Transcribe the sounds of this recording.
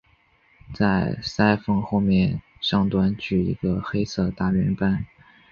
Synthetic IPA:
t͡sa˥˩ɪsa˥ɪfɤ˥˧ŋxo˥˧ʊmjɛ˥˧˩nʂɑ˥˧ŋt̪wa˥nt͡ɕy˥˩ḭ˧˥ɡə˧xe˥ɪsʰɤ˥˧t̪a˥˩ɥɛ˧˥npa˥n

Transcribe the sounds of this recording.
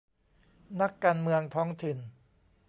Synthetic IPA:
na˦˥kːaː˧nmɯ˧əŋt̪ʰɔː˦˥ŋt̪ʰi˨˩n

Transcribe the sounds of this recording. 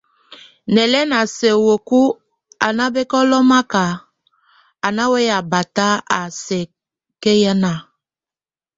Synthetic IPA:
nɛ˨lɛ˦na˨se˨wo˨ku˦ | a˨na˦be˦kɔ˦lɔ˦ma˦ka˨ | a˨na˦we˦ja˨ba˨ta˦a˨sɛ˨ | ke˦ja˦na˨

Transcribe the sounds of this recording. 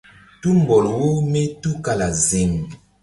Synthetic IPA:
tu˦m˨bɔ˨lo˨wo˦me˦tu˦ka˨la˨ze˨ŋ˨

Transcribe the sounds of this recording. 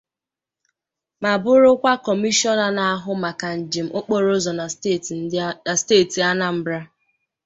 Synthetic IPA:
ma˨bʊ˦ɾʊ˦kʷa˦kɔ˨mi˦ʃɔ˦na˨na˨a˦ɦʊ˦ma˨ka˨n̩˨d͡ʒi˨m̩˨˦ʔo˦k͡po˦ɾo˦zɔ˨n˨˦˨n̩˦a˨steː˦˨ti˨a˦na˨m̩˦bɾa˦

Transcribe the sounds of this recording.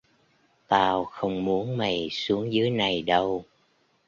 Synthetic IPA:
t̪aː˧wxə˧wŋ͡mmu˨˦ənma˨˩jsu˨˦əŋzɨ˨˦jna˨˩jɗə˧w

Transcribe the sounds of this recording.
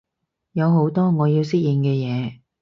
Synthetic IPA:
jɐ˨˧wɦo˨˥wt̪ɔː˥ŋɔː˨˧jiː˧wsɪ˥k̚jiː˨˧nkɛː˧jɛː˨˧

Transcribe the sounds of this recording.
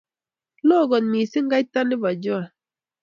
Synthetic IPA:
lɔː˦˨ɡɔ˨nmi˨si˦ŋ˦ɡa˦i˦ta˦ni˦ba˨d͡ʒɔ˦a˨

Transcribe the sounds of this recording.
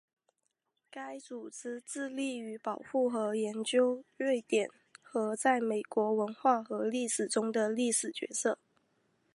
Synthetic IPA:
ka˥ɪt͡su˨˩t͡s̩˥t͡sɹ̩˥˧li˥˩y˧˥pɑ˨˩ʊxu˥˩xɤ˧˥jɛ˧˥nt͡ɕjo˥ʊle˥˩ɪt̪jɛ˨˩n | xɤ˧˥t͡sa˥˩ɪme˨˩ɪkwɔ˧˥wə˧˥nxwa˥˩xɤ˧˥li˥˩ʂɻ̩˨˩ʈ͡ʂʊ˥ŋd̪ə˨li˥˩ʂɻ̩˨˩t͡ɕɥɛ̰˧˥sɤ˥˩

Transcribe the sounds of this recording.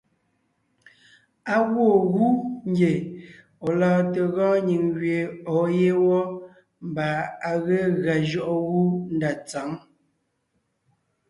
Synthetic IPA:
a˦ɣwo˦˨ɣu˦ŋ˦ɡe˨ | o˨lɔː˨te˨ɣɔ̃ː˦ɲi˨ŋɣɥe˨ɔ˨˦je˦wɔ˦ | m̩˨ba˨a˨ɣe˦ɣa˨d͡ʒɔ˦ʔɔ˦ɣu˦n̩˦da˨t͡sa˨˦ŋ

